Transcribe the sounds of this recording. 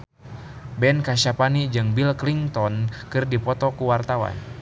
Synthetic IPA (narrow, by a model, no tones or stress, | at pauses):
bɛnkaʃapanid͡ʒɨŋbilkliŋt̪ɔnkɨrdipɔt̪ɔkuwart̪awa̰n